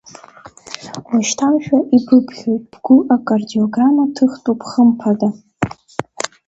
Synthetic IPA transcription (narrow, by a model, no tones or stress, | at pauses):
waʃtʰawʒᶣaʔibɨpʰχʲo̞jtʼb̥ɡʷʊʔakʼardioɡramatʰɨχtʼupʰχəmpʰada